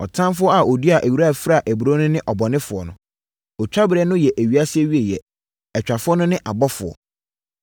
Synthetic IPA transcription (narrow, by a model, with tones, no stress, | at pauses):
ɔ˨tʰã˦m˦fʊ˦ɔ˦a˨o˨du˦a˨ʔæ˨wu˦ɾa˦˨fɾa˦˨ʔæ˨bu˨ɾo˦nʊ̃˦nɪ̃˦ʔɔ˨bɔ˨nɪ̃˦fʊ˨ɔ̰˨nʊ̰̃˨ | ɔ˨t͡ɕᶣa˦bɪ˨ɾɛ˦nʊ̃˦jɛ˨ʔæ˨ɥi˨a˦sɪ˦ɛ˦wɥi˦e˨jɛ˨ | ɛ˨t͡ɕᶣa˨fʊ˦ɔ˦nʊ̃˦nɪ̃˦ʔa˨bɔ˦fʊ˨ɔ̰˨